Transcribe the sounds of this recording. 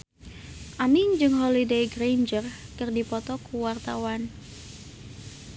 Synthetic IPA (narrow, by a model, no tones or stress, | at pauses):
ʔamiɲd͡ʒɨŋɦɔlidejɡɾend͡ʒərkɨrdipɔt̪ɔkuwart̪awan